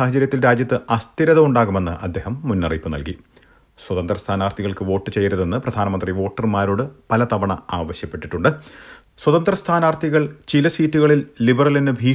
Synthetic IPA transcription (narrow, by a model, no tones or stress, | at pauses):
aːɦɐt͡ɕɐɾjɐt̪ːilɾaːd͡ʑjɐt̪ːɨʔɐst̪iɾɐðɐuɳɖaːɣume̞nːɨ̰ʔɐ̰d̪ʱːe̞ːhɐmːunːɐripːɨnɐ̰lki | swɐt̪ɐnd̪rɐst̪ʰaːnaːrt̪ʰiɣɐɭkɨʋo̞ːʈːɨt͡ɕe̞jːɐɾuðenːɨprɐd̪ʱaːnɐmɐnd̪riʋo̞ːʈːɐrmaːɾoːɽɨpɐlɐt̪ɐʋɐɳɐaːʋɐɕjɐpːe̞ʈːiʈːuɳɖɨ | swɐt̪ɐnd̪rɐst̪ʰaːnaːrt̪ʰiɣɐɭt͡ɕilɐsiːtːuɣɐɭilːibɐrɐlinɨbʱiː